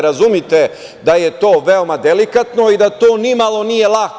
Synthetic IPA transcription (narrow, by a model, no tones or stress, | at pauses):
ɾazumjit̪e | d̪aje̞t̪o̞ːʋeomad̪elikat̪no̞id̪at̪oːnimalˠo̞nijelˠak